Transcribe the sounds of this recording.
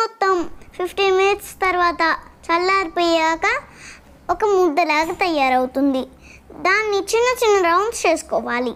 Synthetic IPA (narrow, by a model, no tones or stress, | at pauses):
ɔt̪ːɐmpʰipʰʈiːminiʈ̪st̪ɐɾʋaːt̪ɐt͡ʃɐlːaːɾipɔjaːkɐ | ɔkɐmud̪ːɐlaːɡɐt̪ɐjːaːɾɐwut̪und̪i | d̪aːnːit͡ʃinːɐt͡ʃinːɐɾɐwɳɖst͡ʃe̞ːsu̥kɔːʋaːli